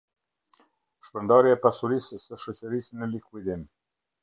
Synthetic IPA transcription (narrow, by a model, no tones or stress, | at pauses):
ʃpənd̪aɾjaɛpasuɾisːəʃɔt͡ʃəɾisnəlikuid̪im